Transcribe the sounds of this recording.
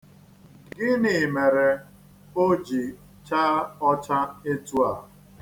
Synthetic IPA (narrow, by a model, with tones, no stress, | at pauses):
ɡɪ˦nɪ˨me˨ɾe˨ | o˦d͡ʒi˨ | t͡ʃa˦ɔ˦t͡ʃa˦e˦tu˦a˨